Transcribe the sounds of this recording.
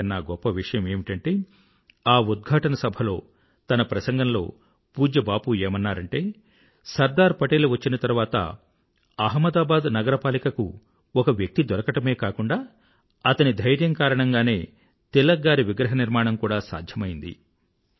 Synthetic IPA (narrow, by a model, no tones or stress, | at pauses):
nːaːɡɔpːɐʋiʂɐjɐmeːmiʈɐɳʈeː | aːud̪̚ɡʱaːʈɐnɐsɐbʱɐlo̞ː | t̪ɐnɐpɾɐsɐŋɡɐnɐlo̞̰ː | puːd͡ʒɐbaːpueːmɐnːaːɾɐɳʈe̞ː | sɐɾd̪aːɾpɐʈeːluʋɐt͡ʃːinɐt̪ɐɾʋaːt̪ɐ̰ | ɐɦmɐd̪aːbaːd̪nɐɡɐɾɐpaːlikɐku | ɔkɐʋjɐk̚t̪id̪ɔɾɐkɐʈɐme̞ːkaːkuɳɖaː | ɐt̪ɐnid̪ʱɐjɾjɐŋkaːɾɐɳɐŋɡaːne̞ː | t̪ilːɐɡaːɾiʋiɡɾɐɦɐniɾmaːɳɐmkuːɽaːsa̰ːd̪ʱjɐmɐjind̪ḭ